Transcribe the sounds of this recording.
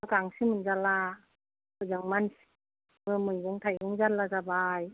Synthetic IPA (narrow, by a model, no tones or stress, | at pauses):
ɯkaŋsimɯnzala | bɯzɯŋmans | mɯmɯjbɔŋt̪ʰajɡuŋzalːazabaj